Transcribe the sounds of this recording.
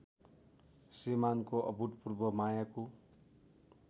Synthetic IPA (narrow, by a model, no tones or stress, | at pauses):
simankoʔʌ̰bʱuʈpurbʌmajako